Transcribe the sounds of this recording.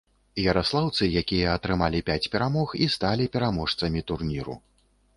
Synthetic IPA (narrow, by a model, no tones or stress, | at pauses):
jɐɾaslˠawt̪sɨjakʲijɐːt̪ɾɨmalʲipʲat͡sʲpʲɛɾamɔxist̪alʲipʲɛɾamɔʂt̪sɐmʲit̪urnʲiɾṵ